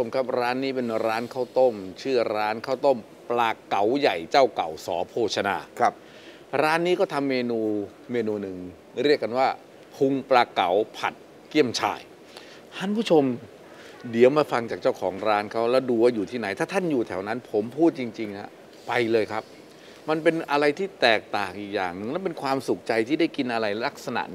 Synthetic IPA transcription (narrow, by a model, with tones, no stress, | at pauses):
o˧mkʰa˦˥p̚ɾaː˦˥nːiː˦˥pe˧nɾaː˦˥nkʰa˥˩wt̪o˥˩mt͡ɕʰɯ˥˩ɐɾaː˦˥nkʰaː˥˩wt̪o˥˩m | plaː˧ka˩˦wja˨˩jt͡ɕaː˥˩wka˨˩wsɔ̰ː˩˦pʰoː˧˩t͡ɕʰa˧na̰ː˧p̚ | ɾaː˦˥nːiː˦˥kɔː˥˩t̪ʰa˧mːeː˧nuː˧ | meː˧nuː˧nɯ˨˩ŋ | ɾi˥˩əkːa˧nwaː˥˩ | pʰu˧ŋplaː˧ka˩˦wpʰa̰˨˩t̪̚ | ki˥˩əmt͡ɕʰa̰ː˧˩j | t̪ʰa˦˥˩npʰuː˥˩t͡ɕʰo˧m | di˨˩˦əwmaː˧fa˧ŋt͡ɕaː˨˩k̚t͡ɕa˥˩wkʰɔː˩˦ŋɾaː˦˥nkʰa˦˥wlɛː˦˥˩wduː˧waː˥˩juː˨˩t̪ʰiː˥˩na˩˦jt̪ʰaː˥˩t̪ʰa˥˩njuː˨˩t̪ʰɛː˩˦wna˦˥npʰo˩˦mpʰuː˥˩t̪̚t͡ɕi˧ŋt͡ɕi˧ŋna˦˥ | pa˧jlɤː˧jkʰa˦˥p̚ | ma˧npe˧nʔa˧ɾa˧jt̪ʰiː˥˩t̪ɛː˨˩k̚t̪aː˨˩ŋʔiː˨˩k̚jaː˨˩ŋnɯ˨˩ŋlɛː˦˥p̬e˧nkʰwaː˧msu˨˩k̚t͡ɕa˧jt̪ʰiː˥˩da˥˩jki˧nʔa˧ɾa˧jla˦˥k̚sa˧na̰˨˩ʔ